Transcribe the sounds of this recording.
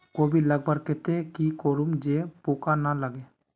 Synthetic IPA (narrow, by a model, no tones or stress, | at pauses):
koːbʱiləɡ̚bʱəɾkɛt̪ekikoːɾumd͡ʒepoːkanaləɡeː